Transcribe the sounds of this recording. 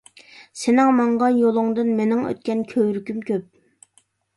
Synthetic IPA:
senɪŋmɑɴʁɑjolˠʊŋd̪ɨnmenɪŋø̰t̪̚kʲɛnkʲʰøwɾykʲymkʲʰøp̚

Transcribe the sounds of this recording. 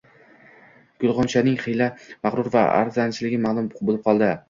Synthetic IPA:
ɡ̥ʊlˠʁɒnt͡ʃʰanɪŋχɨjlamaʁɾʊɾva̰a̰ɾzant͡ʃʰɪlɪɡʲɪmalˠʊmbolɪp̚qʰɒlˠd̪ɪ

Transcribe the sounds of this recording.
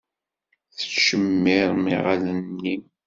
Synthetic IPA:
θə̥ʃəmːɪɾˤmɪʁalənːi

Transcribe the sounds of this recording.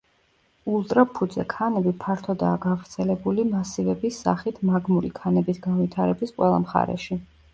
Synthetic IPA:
ulˠt̪ʼɾapʰud̪zɛkʰanɛbipʰaɾt̪ʰɔd̪aːɡavɾt̪sʰɛlɛbulimasivɛbisːa̰χit̪ʰmaɡmulikʰanɛbisɡanvit̪ʰaɾɛbisqʼwɛlˠa̰mχa̰ɾɛ̰ʃi

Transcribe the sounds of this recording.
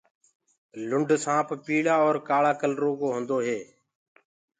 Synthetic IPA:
lʊɳɖʱsãːppiːɭaːɔːɾkaːɭaːkəlɾoːkoːɦə̃nd̪oːɦeː

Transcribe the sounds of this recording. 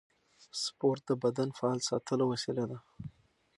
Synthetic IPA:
spoɾt̪̚d̪əbad̪anfaɑlsɑ̰t̪ʰəlowasilad̪a

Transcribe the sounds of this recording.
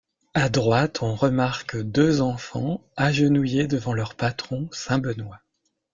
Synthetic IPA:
ad̪ʁwat̪ʰɔ̃ʁəmaʁkd̪øzɑ̃fɑ̰̃aʒənujed̪əvɑ̃lœʁpat̪χɔ̃sɛ̃bənwa

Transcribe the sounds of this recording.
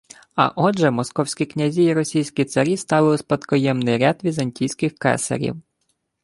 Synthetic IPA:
ɐ̰ʔɔʒɛmɔskɔwsʲkʲiknʲɐzʲiːɾɔsʲijsʲkʲit̪sɐɾʲist̪ɑlˠɪlˠɪspɐt̪kɔjɛmnɪjɾʲad̪ʋʲizɐnʲtʲijsʲkɪxkɛ̰sɐ̰ɾʲḭw

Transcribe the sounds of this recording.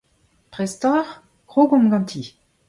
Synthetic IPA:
pʁɛst̪ɔʁ | ɡ̥ʁoɡɔ̃mɡɑ̃nt̪ʰi

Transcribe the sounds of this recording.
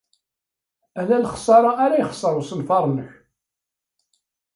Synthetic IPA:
ælælχsˤɑɾˤɑːɾæjχə̥sˤːəɾwsənfɑɾˤnəç

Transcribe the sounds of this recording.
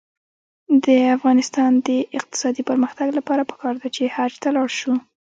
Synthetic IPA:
d̪əafɣɑnɪst̪ɑnd̪əʔɪq̚t̪ɪ̥sɑd̪ipəɾməxt̪aɡlapɑɾapə̥kɑɾd̪at͡ʃehad͡ʒt̪alɑɽʃu

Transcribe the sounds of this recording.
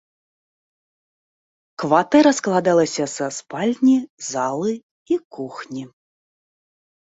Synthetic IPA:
kvat̪ɛɾɐsklˠad̪alˠɐsʲɐsaspalʲnʲizalˠɨ | ikuxnʲi

